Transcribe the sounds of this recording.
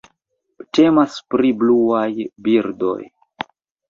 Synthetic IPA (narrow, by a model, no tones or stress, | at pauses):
te̞maspɾibluajbiɾdo̞̰j